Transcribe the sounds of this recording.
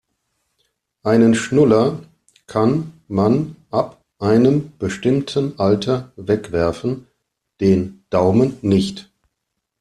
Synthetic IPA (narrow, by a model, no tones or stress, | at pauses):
ʔaɪnənʃnʊlɐ | kʰanmanʔap | ʔaɪnəmb̥əʃtɪmtʰənʔaltʰɐvɛkv̥ɛɐfn̩ | d̥eːnd̥aʊmənːɪçt